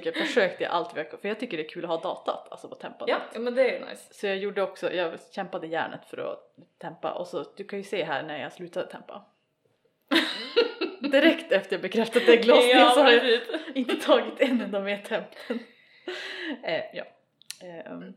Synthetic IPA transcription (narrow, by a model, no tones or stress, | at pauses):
kːəfœʂøːkt̪ə̰ʔa̰lt̪vɪhakfœɾjɑːɡt̪ʰʏkːəɖɛæɾkʰʉːlɔhɑːd̪ɑːt̪a̰t̪ʰa̰lsɔpʰɔt̪ʰɛmpanət̪ːmɛnd̪ɛj̪a̰jssɔjɑːɡjuːɖəɔksɔ̰jɑːɡɕɛmpad̪əjæ̰ːɳə̰t̪fœɾɔ̰t̪ʰɛmpa̰ʔɔsɔd̪̥ɵkʰanjɵseːɦæ̰ːɳæɾjɑ̰ɡslʉːt̪ad̪ət̪ʰɛmpa̰ | d̪ɪɾɛkt̪ɛft̪əɾjɑbəkʰɾɛft̪ad̪əd̪æɡlɑːsɪsɔhaɾjaɪnt̪ət̪ʰɑːɡɪt̪ɛnːɛnd̪ɔmɛt̪ʰɛmpt̪ʰən | jɑ̰ː